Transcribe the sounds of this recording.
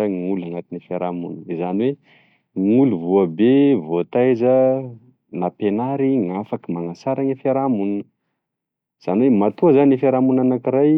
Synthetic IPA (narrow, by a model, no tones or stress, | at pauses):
aŋulaŋat̪inifeɾamunizaniwe | ŋuluvuəbevoat̪ajzə | napenaɾiŋafakimaŋasaɾaŋəfeɾamunnə | iz̥aniwemat̪uazanifeɾamunanakiɾaj